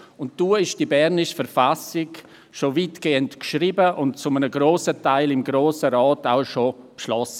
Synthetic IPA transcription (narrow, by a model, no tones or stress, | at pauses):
ʊntd̥uːɪʃd̥ibɛɾnɪʃfɛɾfasɪk | ʃoviːtɡ̥eːəntkʃɾiːbəʔʊnt̚t͡sʊmənəɡɾoːsətaɪlɪmɡɾoːsəɾaːtaʊʃopʃlɔsə